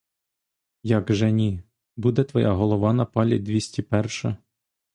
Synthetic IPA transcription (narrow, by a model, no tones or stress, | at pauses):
jaɡʒɛnʲi | bud̪ɛt̪ʋɔjʔa̰ɦɔlˠɔʋɑnɐpɑlʲḭd̪ʲʋʲisʲtʲipɛrʃɐ